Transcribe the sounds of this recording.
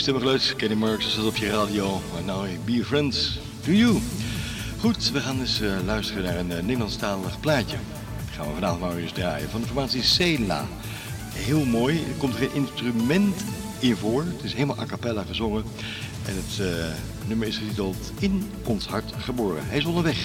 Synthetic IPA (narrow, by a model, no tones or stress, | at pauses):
stɛməχlœtkɛnimɑɹksəsɛtɔpjəraːdiomanawbiɹfɹɛnts | duju | χutʋəχaːnɪslœɥstərənaːɹənnːedəlɑnstaːləχplaːcə | χa̰ːnʋəvɑnaːvɔntnawəzdraːjəvɑndɪnfɔɹmaːtsisejla̰ː | ɦɪːlˠmoːjəkɔmtəχenʔɪnstrymɛnt | ɪnvʊːɹətɪsɦejləmalˠʔa̰kapɛlaχəzɔŋə | ʔɛ̰nɦət | nøməɹɪsχətitəlˠt | ɪn | ɔnsɦɑɹtχəbʊːrə̰ɦɛjɪsɔndəɹʋɛχ